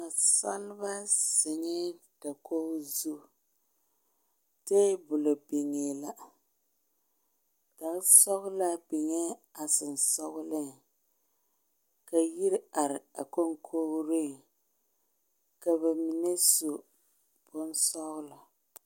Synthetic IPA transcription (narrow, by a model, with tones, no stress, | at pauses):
a˨sa˦lba˦sɪ˨ɲɛ˦d̥a˨kʰo˦zu˦ | te˦bʊ˨lo˨be˨ŋe˨la˦ | da˨˦sɔ˦ɣʊ˦la˦bɛ˨ɲɛ˦a˨sɨ˨n˨sɔ˦ɣʊ˦lɨ˦ŋ˨ | ka˨ji˦ɾa˨ɾɪ˨a̰˨ko˦ŋkʰoː˦ɾe˦ | ka˨bɛ˨mi˨nɛ˦so˨ | b̥ʊ˦n˦sɔ˦ɣʊ˦la˨